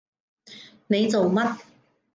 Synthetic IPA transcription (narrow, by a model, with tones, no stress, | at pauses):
ne˨˧jt͡so˨wmɐ˥t̚